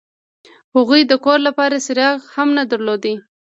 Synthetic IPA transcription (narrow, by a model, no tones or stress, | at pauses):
haɣujd̪əkoɾlapɑɾasɪɾɑɣhamnad̪əɾlod̪i